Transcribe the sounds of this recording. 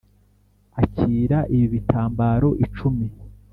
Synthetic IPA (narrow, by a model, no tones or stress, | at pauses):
aciːɾaʔiβiβitʰaːmbaːɾo̞ʔit͡ʃumi